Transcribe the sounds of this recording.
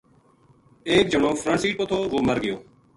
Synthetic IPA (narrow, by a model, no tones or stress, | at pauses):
eːk̚d͡ʒəɳõːfʰɾə̃ɳsiːʈ̚pət̪ʰoːʋoːməɾɡɪjoː